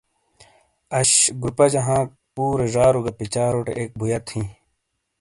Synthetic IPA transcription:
ɐɕɡɾupɐd͡ʑɐɦãːk̚ | puːɾeʐaːɾuɡɐpit͡ɕaːɾoʈḛʔeːk̚bʱujɐt̪ʰĩ

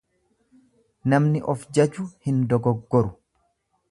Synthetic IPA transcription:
nɐmnɪʔɔfd͡ʒɐd͡ʒʊhɪnd̪ɔɡɔɡːɔɾʊ

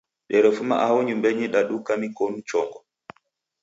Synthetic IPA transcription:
ɗɛɾɛfuma̰ʔawɔɲumbɛɲiɗaɗukamikɔnut͡ʃɔŋɡɔ

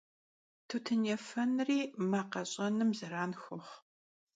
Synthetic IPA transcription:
tʰutʰɨnɛfɐnriːmaːqɐɕʼɐnɨmzɐɾaːnxʷʊχ

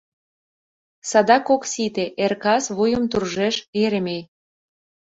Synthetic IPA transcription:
sɑd̪ɑkoksit̪eʔerkɑsβujə̆mt̪urʒeʃeɾemej

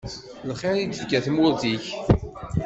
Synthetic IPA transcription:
lχeɾid̪əfkæθmwʊɾðiç

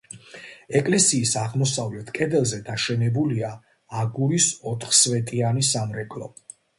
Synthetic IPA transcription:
ɛkʼlɛsiːsaʁmɔsavlɛt̪ʰkʼɛd̪ɛlˠzɛd̪aʃɛnɛbuliaː | ɡuɾisɔt̪ʰχsvɛt̪ʼianisamɾɛkʼlɔ

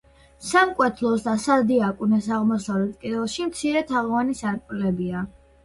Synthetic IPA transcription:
samkʼwɛt̪ʰlˠɔsd̪asad̪iakʼunɛsaʁmɔsavlɛt̪ʰkʼid̪ɛlˠʃimt̪sʰiɾɛt̪ʰaʁvanisaɾkʼlɛbia

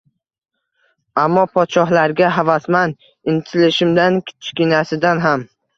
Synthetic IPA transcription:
amːɒpʰɒt̪ʃɒɦlaɾɡʲaɦavasman | ɪnt̪ʰɪlɪʃɪmd̪ankʲʰɪ̥t̪ʰɪ̥ʃkʲɪnasɪd̪anɦam

